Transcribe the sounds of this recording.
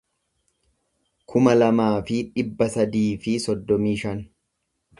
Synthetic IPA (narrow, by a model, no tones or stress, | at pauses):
kʰʊmɐlɐmaːfɪᶑɪbːɐsɐd̪iːfɪsɔd̪ːɔmiːʃɐn